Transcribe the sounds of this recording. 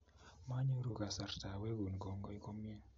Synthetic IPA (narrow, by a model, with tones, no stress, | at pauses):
ma˦ɲu˦ɾu˨ka˨sa˨ɾta˨we˦ɡu˨n˨ɡɔ˨ŋɡɔ˦i˦ko˦mi˦e˦